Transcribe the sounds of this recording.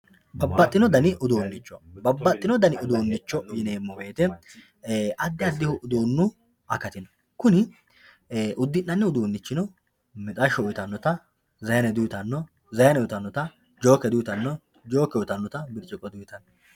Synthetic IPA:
bɐbːɐt̪ʼːɪnɔd̪ɐnɪʔʊd̪oːnːɪt͡ʃːɔbɐbːɐt̪ʼːɪnɔd̪ɐnɪʊd̪uːnːɪt͡ʃːɔjɪneːmːɔbe̞ːt̪ɛ | ʔɐd̪ːɪɐd̪ːɪhʊʔʊd̪oːnːʊ | ɐkɐt̪ɪnɔ̥ | kʊnɪ | ʔʊd̪ːɪnːɐnːɛʊd̪uːnːɪt͡ʃːɪnɔ | mɛt̪ʼɐʃɔʊjɪt̪ɐnːɔt̪ɐ | zɐjɐnɛd̪ut̪ɐnːɔ | zɐjɐnɛʊt̪ɐnːɔt̪ɐ | d͡ʒo̞ːkːɛd̪ujɪt̪ɐnːɔ | d͡ʒo̞ːkːɛʊt̪ɐnːɔt̪ɐbɪɾt͡ʃʼːɪkʼːɔd̪ujɪt̪ɐnː

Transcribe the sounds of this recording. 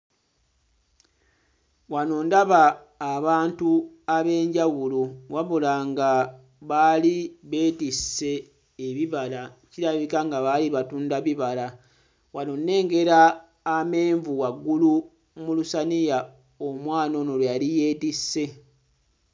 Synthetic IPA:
wano̞ndaβaː | βaːntu | aβe̞ːɲɟawuluwaβulaŋɡa | βaliβe̞ːtisːe̞ː | βiβalaciɾaβikaŋɡaβaliβatuːndaβiβala | wano̞nːe̞ːŋɡe̞ɾaː | me̞ːɱvuwaɡːulu | mulusanija | omwaːno̞nolwejalije̞ːtisːe̞

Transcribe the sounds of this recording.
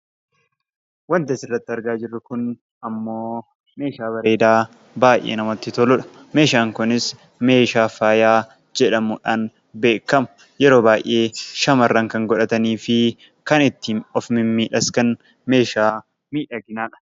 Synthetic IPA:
wɐnt̪ɐsɪrːɐt̪ːɪɐɾɡaːd͡ʒɪrːʊkʊn | ɐmːo̞ː | me̞ːʃaːβɐɾe̞ːd̪aː | baːjʔḛːnɐmɐt̪ːɪt̪ɔlʊᶑɐ̥ | me̞ːʃaːŋkʊnɪs | me̞ːʃaːfaːjaː | d͡ʒɛᶑɐmʊᶑaːn | be̞ːkːɐmʊ̥ | jɛɾo̞ːbaːjʔe̞ːʃɐmɐrːɐŋkɐŋɡɔᶑɐt̪ɐniːfɪ | kɐnɪt̪ːiːnɔfmɪmmiːᶑɐskɐn | me̞ːʃaː | miːᶑɐɡɪnaːᶑɐ̥

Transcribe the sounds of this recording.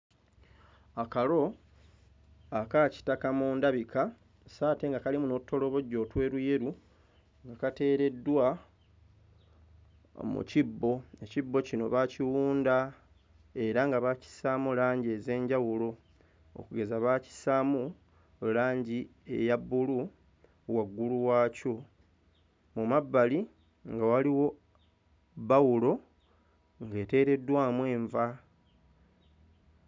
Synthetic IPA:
akalo̞ | akaci̥takamuːndaβikʰa | saːte̞ŋɡakalimuno̞tʰːo̞lo̞βo̞ɟːo̞ːtwe̞ːɾuje̞ɾu | ŋɡakate̞ːɾe̞dːwa | mṵcibːo̞ecibːo̞cino̞̰βaciwuːnda | e̞ɾaŋɡaβaci̥samulaːɲɟe̞ze̞ːɲɟawulo̞ | o̰kuɡe̞zaβaci̥samu | laːɲɟiḛjabːulu | waɡːuluwaːco | mumabːali | ŋɡawaliwo̞ | βawulo̞ | ŋɡe̞ːte̞ːɾe̞dːwaːmwe̞ːɱva

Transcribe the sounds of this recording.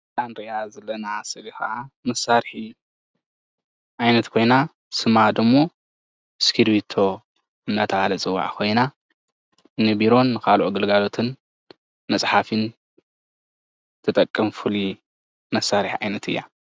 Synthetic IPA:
tʼanɾiazɐlːɐnasɨlixaʔamɐsːaɾħi | ʔajnɐt̪kʰo̞jna | sɨmad̪ɨmːo̞ | skʰiɾbit̪ʰo̞ | ɨnːat̪ʰɐʕalɐt͡sʼɨwːa̰ʕkʰo̞jna | nɨbiɾo̞nːɨkʰalʔoɡɨlɡalo̞t̪ʰɨn | mɐsʼħafɨn | t̪ʰɨt̪ʼɐkʼːɨmfɨli | mɐsaɾħiʕajnɐt̪ʰɨjːa

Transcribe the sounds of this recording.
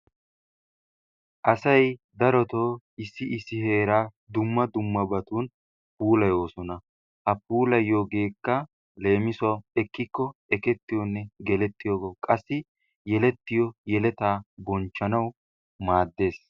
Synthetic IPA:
ʔɐsɐjd̪ɐɾɔt̪oː | ɪsːɪɪsːɪhe̞ːɾaː | d̪ʊmːɐd̪ʊmːɐbɐt̪uːn | puːlɐjo̞ːsɔnɐ | hɐpuːlɐjo̞ːɡe̞ːkːɐ | le̞ːmɪsɔɛkːɪkːɔɛkɛt̪ːɪjɔnːɛɡɛlɛt̪ːɪjoːɡokʼɐsːɪ | jɛlɛt̪ːɪjɔjɛlɛt̪aːbɔnt͡ʃːɐnɐw | maːd̪ːe̞ːs

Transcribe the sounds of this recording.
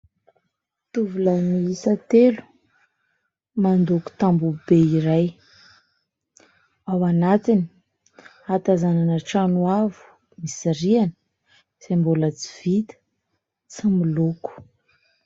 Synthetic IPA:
t̪uvulamiisət̪elu̥ | mand̪uku̥t̪ambubeiɾaj | awanat̪ini̥ | at̪azananəʈ͡ʂanuavu̥ | misiɾianə | z̥embolət͡si̥v̥it̪ə̥ | t͡similuku̥

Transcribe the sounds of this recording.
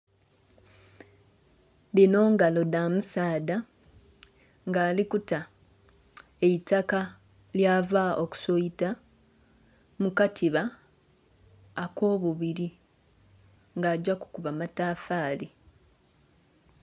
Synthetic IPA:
dino̞ːŋɡalo̞damusaːda | ŋɡaːlikuta | eitːaka | ljaːvaoku̥soita | mukatʰiβa | ko̞ːβuβiɾi | ŋɡaːɟaku̥kuβamataːfaːli

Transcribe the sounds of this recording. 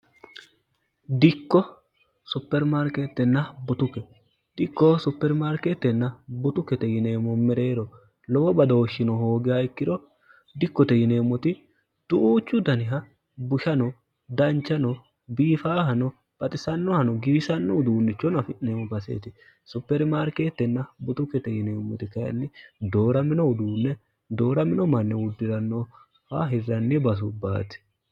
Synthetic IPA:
d̪ɪkːɔ | sʊpːɛɾmaɾket̪ːɛnːɐbɔt̪ʊkːɛ | d̪̥ɪkːɔsʊpːɛɾmaɾket̪ːɛnːɐbɔt̪ʊkːɛt̪ɛjɪne̞ːmːɔmɛɾe̞ːɾɔ | lɔwɔbɐd̪ɐwɔʃːɪnɔɦoːɡɪjaɪkːɪɾɔ | d̪ɪkːɔt̪ɛjɪne̞ːmːɔt̪ɪ | d̪̥ʊʔuːt͡ʃːʊd̪ɐnɪɦɐ | bʊʃɐnɔ | d̪ɐnt͡ʃːɐnɔ | biːfaːhɐnɔ | b̥ɐt̪ʼɪsɐnːɔhɐnɔɡiːsɐnːɔd̪uːnːɪt͡ʃːɔnɐfɪʔneːmɔbɐsḛːt̪ɪ | sʊpːɛɾɪmaːɾkeːt̪ːɛnːɐbʊt̪ʊkːɛt̪ɛjɪneːmːɔt̪ɪkɐjɐ̰nːɪd̪o̞ːɾɐmɪnɔʊd̪uːnːɛ | d̪o̞ːɾɐmɪnɔmɐnːɛwʊd̪ːɪɾɐnːo | faɦɪrːɐnːɪbɐs̬ʊbaːt̪ɪ̥

